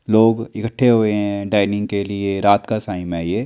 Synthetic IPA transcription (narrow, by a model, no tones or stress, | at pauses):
loːɡɪkəʈʰːeɦoeɦɛ̃ɖaːɪnɪ̃ŋɡkelieɾaːt̪kasaːɪmɛje